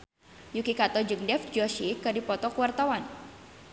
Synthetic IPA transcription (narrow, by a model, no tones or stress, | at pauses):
jukikat̪ɔd͡ʒɨŋdɛfd͡ʒɔʃikɨdipɔt̪ɔkuwart̪awan